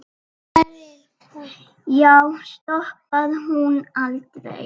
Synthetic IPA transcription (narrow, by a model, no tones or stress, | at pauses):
jawst̪ɔhpaðɦunalt̪ɾḛ